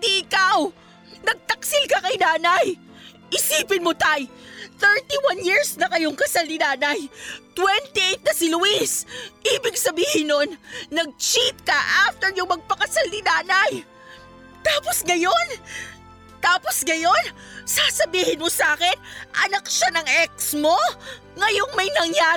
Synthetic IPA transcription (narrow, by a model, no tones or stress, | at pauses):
d̪iʔɪkaw | nɐɡ̚t̪ɐksɪlkɐkɐjnaːnɐj | ʔɪsiːpɪnmot̪ajθɛɹt̪iwanjiɹsnɐkɐjoŋkɐsalnɪnaːnɐjt̪wɛnt̪iʔɛjt̪̚nɐsɪlʊwisʔiːbɪɡ̚sɐbiːhɪnːonːɐɡ̚t͡ʃit̪̚kɐʔaft̪ɛɾjʊŋmɐɡ̚pɐkɐsalnɪnaːnɐj | t̪aːpo̞sŋɐjo̞n | t̪aːpo̞sŋɐjo̞n | sasɐbiːhɪnmosaːkɛnʔɐ̰nɐk̚ʃanɐŋʔɛk̚smo̞ | ŋɐjo̞ŋmɐjnɐŋja